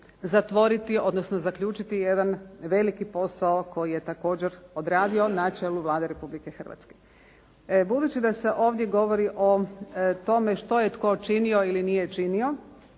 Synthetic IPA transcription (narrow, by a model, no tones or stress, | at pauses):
zat̪ʋo̞ɾit̪io̞d̪no̞sno̞zakʎʲuːt͡ʃit̪ijed̪anʋe̞likipo̞saoko̞jije̞t̪ako̞ːd͡ʑe̞ɾo̞d̪ɾaːd̪io̞nat͡ʃe̞ːluʋlˠaːd̪eɾe̞publike̞xr̩ʋa̰t̪ske̥ | bud̪uːt͡ɕid̪ase̞ʔo̞ːʋd̪jeɡo̞ʋo̞ɾiʔot̪o̞me̞ʃt̪o̞jet̪ko̞t͡ʃinio̞ilinijet͡ʃinio̞